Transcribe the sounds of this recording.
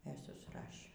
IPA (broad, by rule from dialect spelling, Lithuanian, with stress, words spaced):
ɛ sʊsˈrɑːʃʲeː